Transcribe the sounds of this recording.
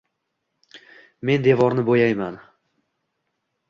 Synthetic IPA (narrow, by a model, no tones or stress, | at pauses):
me̞nd̪e̞vɒɾnɪbojajman